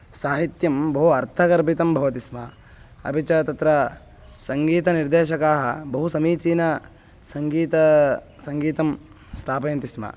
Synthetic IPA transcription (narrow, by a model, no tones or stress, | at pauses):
saːɦit̪jɐmbɐɦuɐɾt̪ʰɐkɐɾbit̪ɐmbʱɐʋɐt̪ismɐ | ɐ̰pit͡ʃɐt̪ɐt̪ɾɐ | sɐŋɡiːt̪ɐniɾd̪eːʃɐkaːɦɐbɐɦusɐmiːt͡ʃiːnɐ | sɐŋɡiːt̪ɐ | sɐŋɡiːt̪ɐm | st̪ʰaːpɐːnt̪ismɐ̰